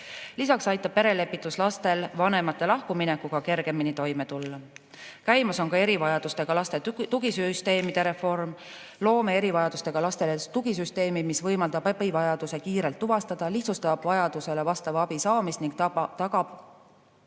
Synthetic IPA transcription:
lisɑksɑjt̪ːˑɑb̥pe̞ɾe̞le̞pːˑit̪ːˑuslɑst̪e̞lvɑne̞mɑt̪ːˑe̞lɑhkuminekːˑuɡ̥ɑke̞rɡ̥e̞minit̪o̞jme̞t̪ulːɑ | kæjmɑso̞nkɑe̞ɾivɑjɑd̪ust̪e̞ɡ̥ɑlɑst̪e̞t̪uɡisyst̪e̞ːmid̪̥e̞ɾe̞fo̞rm | lo̞ːmeeɾivɑjɑd̪̥ust̪e̞ɡ̥ɑlɑst̪e̞let̪uɡisyst̪e̞ːmimisvɤjmɑld̪̥ɑbɑpivɑjɑd̪̥use̞kiːɾe̞lt̪ːuvɑst̪ɑd̪̥ɑliht̪sust̪ɑɑb̥vɑjɑd̪use̞le̞vɑst̪ɑvɑb̥isɑːmist̪niŋk̪t̪ɑɡɑb̥

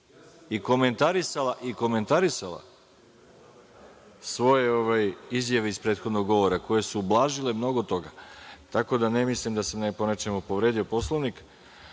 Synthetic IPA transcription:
iko̞me̞nt̪aɾisalˠaʔiko̞me̞nt̪aɾisalˠa̰ | sʋo̞je̞oʋajizjaʋeispɾet̪xo̞d̪no̞ɡɡo̞ʋo̞ɾako̞je̞suːblˠaːʒile̞mno̞ɡot̪o̞ɡat̪ako̞d̪anemislimd̪asamneponet͡ʃe̞mupo̞ʋɾe̞d̪io̞po̞slˠoʋnik

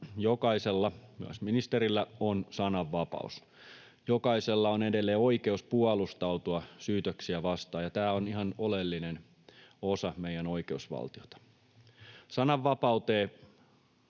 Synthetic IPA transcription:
jokɑiselːɑmyæ̰sminist̪eɾilːæonsɑnɑʋːɑpɑ̰us | jokɑiselːɑonedelːeːoikeuspuɑlust̪ɑuwt̪uɑsyːt̪øksiæʋɑst̪ɑːjɑt̪æːoniɦɑnolelːinen | osɑmeijæno̞ikeusʋɑ̰lt̪iot̪ɑ̥ | sɑnɑʋːɑpɑut̪eː

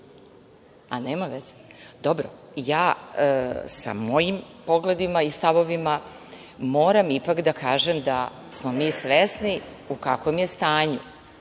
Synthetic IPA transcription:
aneːmamʋezed̪obɾo̰ | jaː | sa̰mo̞jimpo̞ɡle̞d̪imaist̪aʋo̞ʋima | moːɾamipakd̪akaːʒemd̪a | smo̞miːsʋesniukakomje̞st̪aːɲu

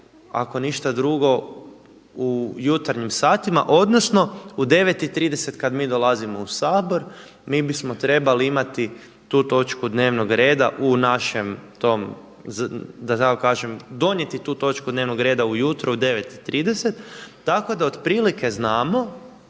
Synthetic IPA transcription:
a̰ko̞niʃt̪ad̪ɾuɡo̞ | ujut̪aɾɲimsaːt̪ima̰ʔo̞d̪nosno̞ud̪e̞ʋe̞t̪it̪ɾiːd̪e̞se̞t̪kad̪miːd̪o̞lˠazimo̞usaːboɾ | miːbismo̞t̪ɾe̞baliimat̪i | t̪uːt̪o̞t͡ʃkud̪ne̞ːʋnoɡɾe̞ːd̪aʔunaʃemt̪o̞m | zd̪at̪akokaːʒe̞md̪o̞nje̞t̪it̪uːt̪o̞t͡ʃkud̪neʋnoɡɾe̞ːd̪aujut̪ɾuud̪e̞ʋet̪it̪ːɾiːd̪e̞set̪ː | ako̞d̪aod̪pɾiːlike̞znaːmo̞

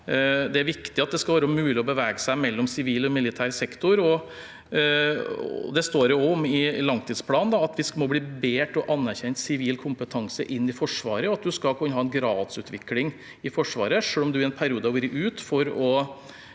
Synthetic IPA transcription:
d̪ɛæɾʋɪkt̪ɪɑt̪̚d̪ɛskɑlʋæːɾəmʉːlɪɔbəʋɛːɡəsæɪmɛlːɔmsɪʋiːlɔmɪlɪt̪ʰæːɾsɛkt̪ɔɾɔ | d̪ɛst̪oːɾʊɔmɪlɑŋt̪ʰiːd̪spʰlɑːnnd̪ɑɑt̪ʋɪsmɔbliːbeːʈɔʔɑnːæɾçɛnt̪sɪʋiːlkʰʊmpət̪ʰɑŋsə̰ʔɪnːɪfɔʂʋɑ̰ːɾəɔɑt̪̚d̪ʉskɑkʰʉnːəɦɑːɛnɡɾɑːd̪sʉ̰ːt̪ʰʋɪklɪŋ | ɪfɔʂʋɑ̰ːɾəʂøːlɔmd̪ʉɪɛnpʰæɾɪuːd̪əɑʋʉːɾəʔʉːt̪fɔɾɔ

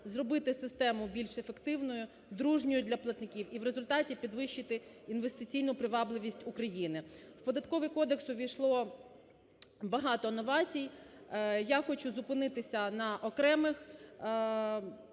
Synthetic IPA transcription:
zrɔbɪt̪ɪsɪst̪ɛmʊbʲilʲʃefekt̪ɪwnɔjʊ | d̪ɾuʒnʲʊjʊd̪ʲlʲɐplˠɐt̪nɪkʲiwiʋɾezʊlʲt̪ɑtʲipʲid̪ʋɪʃt͡ʃːɪt̪ɪ | inʋest̪ɪt͡sʲijnʊpɾɪʋɑblˠɪʋʲisʲtʲʊkɾɐjinɪw̥pɔd̪ɐt̪kɔʋɪkɔd̪eksʊʋʲijʃlˠɔ | bɐɦɑt̪ɔnɔʋɑt͡sʲij | jaxɔt͡ʃuzʊpɪnɪt̪ɪsʲɐnɐʔɔkɾɛmɪx

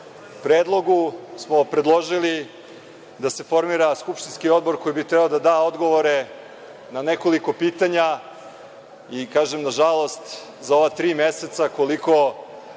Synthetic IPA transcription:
upɾeːd̪lˠo̞ɡusmo̞pɾe̞d̪lˠo̞ʒili | d̪ase̞fo̞ɾmiːɾaskupʃt̪inskio̞d̪̚bo̞ɾko̞jibit̪ɾebaod̪ad̪aːo̞d̪ɡo̞ʋo̞ɾe̞ | nane̞koliko̞piːt̪aɲa | ikaːʒemnaʒalˠo̞st̪ | zao̞ʋat̪ɾiːmeset̪sakoliko̞

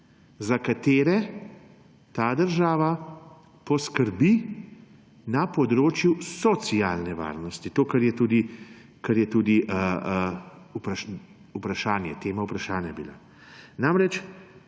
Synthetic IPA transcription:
zakat̪eːɾɛ | t̪aːd̪əɾʒaːʋa | pɔskəɾbi | napɔd̪ɾoːt͡ʃjusɔt̪siaːlnɛʋa̰ːɾnɔst̪it̪oːkaɾjɛt̪uːd̪i | kaɾjɛt̪uːd̪iʔə | upɾaʃ | upɾaʃaːnjɛ̰t̪eːmaupɾaʃaːnjabila̰ | namɾɛt͡ʃ

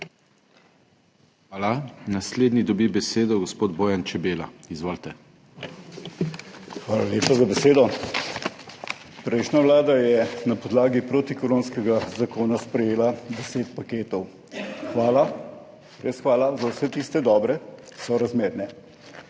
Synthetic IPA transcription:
xaːlanasleːd̪nid̪ɔbibɛseːd̪ɔɡɔspoːd̪boːjant͡ʃɛbeːlaizʋoːlt̪ɛ | xʋaːlaljeːpazabɛseːd̪ɔ | pɾɛjʃnaʋlaːd̪ajɛnapɔd̪laːɡipɾoːt̪ikoɾoːnskɛɡazakoːnaspɾɛjeːlad̪ɛseːt̪pakeːt̪ɔw | xʋaːla | ɾeːsxʋaːlazawsɛt̪ist̪ɛd̪ɔːbɾɛkki̥sɔɾazmeːɾnɛ

